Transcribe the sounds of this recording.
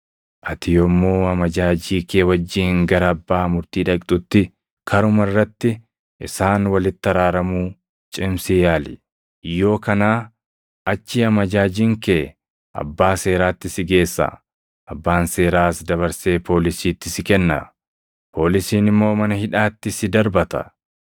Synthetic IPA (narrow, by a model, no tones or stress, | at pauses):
ʔɐt̪ɪjomːoːɐmɐd͡ʒaːd͡ʒiːkʰeːwɐd͡ʒːiːŋɡɐɾɐːbːaːmʊɾt̪iːᶑɐkʼt̪ʼʊt̪ːɪ | kʰɐɾʊmɐrːɐt̪ːɪ | ʔɪsaːnwɐlɪt̪ːɐɾaːɾɐmuː | t͡ʃʼɪmsɪjaːlɪ̰ | jo̞ːkɐnaː | ɐt͡ʃːɪɐmɐd͡ʒaːd͡ʒiːŋkeː | ʔɐ̰bːaːse̞ːɾaːt̪ːɪsɪɡe̞ːsːɐ̰ | ʔɐbːaːnse̞ːɾaːsd̪ɐβɐɾse̞ːpʰo̞ːlɪsiːt̪ːɪsɪkɛnːɐ̰ | pʰo̞ːlɪsiːnɪmːo̞ːmɐnɐhɪᶑaːt̪ːɪsɪd̪ɐɾbɐt̪ɐ̰